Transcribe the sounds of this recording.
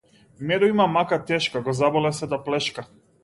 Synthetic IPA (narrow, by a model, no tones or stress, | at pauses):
mɛɾɔimamakat̪ɛʃkaɡɔzabɔlɛsɛd̪aplɛʃka